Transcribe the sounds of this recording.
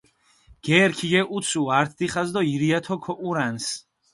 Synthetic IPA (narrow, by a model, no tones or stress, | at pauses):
ɡ̥ɛɾkʰijeʔut̪suaɾt̪ʰd̪iχazd̪ɔiɾijat̪ʰɔkʰɔʔuɾans